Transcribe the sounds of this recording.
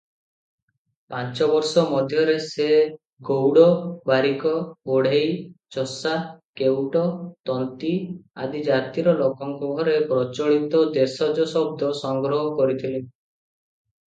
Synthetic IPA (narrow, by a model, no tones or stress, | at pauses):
pant͡ʃɔbɔɾsɔmɔd̪ʱjɔɾese | ɡowɽɔbaɾikɔoɽ̤ejt͡ʃɔsakewʈɔt̪ɔnt̪ia̰d̪id͡ʒat̪iɾɔlokɔŋkubʱɔɾepɾɔt͡ʃɔɭit̪ɔd̪esɔd͡ʒɔsɔb̚d̪ʱɔsɔŋɡɾɔɦɔkɔɾit̪ʰile